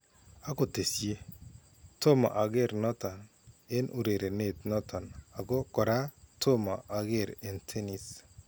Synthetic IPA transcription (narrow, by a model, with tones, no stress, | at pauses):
a˦ko˨te˨sje˦ | to˦ma̰˨ʔa˨ɡe˦ɾnɔ˦tɔ˨n | e˦nʔu˨ɾe˨ɾe˨ne˨tnɔ˦tʰɔ˨na˨ɡo˦kɔ˨ɾa˦tʰo˦ma˨ʔa˨ɡe˦˨ɾe˨ntʰe˦ni˨s